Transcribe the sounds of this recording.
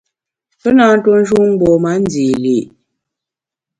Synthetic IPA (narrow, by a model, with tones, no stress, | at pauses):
pə˦na˨˦n̩˦to˦n̩˦d͡ʒu˦ŋ˦ɡ͡bɔ˨ma˨˦n˦d͡zi˨li˨